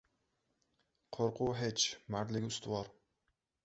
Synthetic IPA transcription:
qʰoɾqʰʊɦet͡ʃmaɾlɪɡʲʊst̪ɪwɒɾ

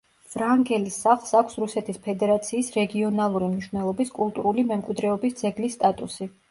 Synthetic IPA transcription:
v̥ɾaŋɡɛlisaχlˠsakʷʰsɾusɛt̪ʰispʰɛd̪ɛɾat̪sʰiːsɾɛɡiɔnalˠuɾimniʃwnɛlˠɔbiskʼulˠt̪ʼuɾulimɛmkʼwid̪ɾɛɔbisd̪zɛɡlisːt̪ʼat̪ʼusi

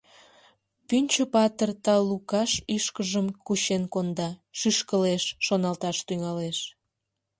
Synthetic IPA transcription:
pynʲt͡ɕəpɑt̪ərt̪ɑlukɑʃiʃkəʒəmkuɕenkond̪ɑʃyʃkəleʃːonɑlt̪ɑʃt̪yŋɑleʃ

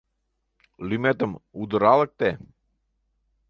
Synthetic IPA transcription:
lʲymet̪əmud̪əɾalˠək̚t̪ɛ

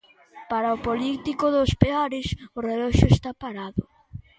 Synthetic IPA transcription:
paɾaopolit̪ikʊðʊspeaɾɪsʊrelɔʃʊest̪apaɾaðʊ̰

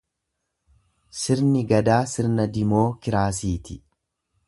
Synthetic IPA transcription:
sɪɾnɪɡɐd̪aːsɪɾnɐd̪ɪmo̞ːkɪɾaːs̬iːt̪ɪ

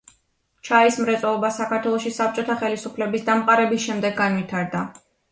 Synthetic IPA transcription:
t͡ʃʰaismɾɛt̪sʼɔlˠɔbasakʰaɾt̪ʰwɛlˠɔʃisap̚t͡ʃʼɔt̪ʰaχɛlisupʰlɛbisd̪amqʼaɾɛbisʃɛmd̪ɛɡːanvit̪ʰaɾd̪a

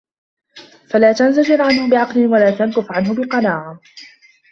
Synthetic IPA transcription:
falaːt̪anzad͡ʒɪɾʕanhʊbɪʕɑqlɪnwalaːt̪ankʊfʕanɦʊbɪqɑnaːʕa

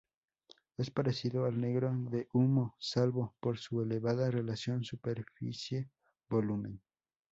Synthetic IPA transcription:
e̞spaɾesiðoalneɣɾoðeʔumosalβopoɾsueleβaðarelasjo̞nsupeɾfḭsje | bolumẽn

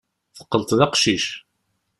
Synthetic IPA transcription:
θə̥qːəlt̪ðɑqʃiʃ

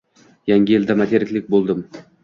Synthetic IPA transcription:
jaŋʲɪeld̪amat̪ʰeɾɪkʲlʲɪk̚ʲbolˠd̪ɪm

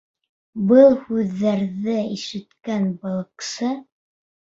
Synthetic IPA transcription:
bɤlˠhʉðːæɾðɘiʃɘ̆t̪kænbɤ̆lˠɤ̆qsɤ

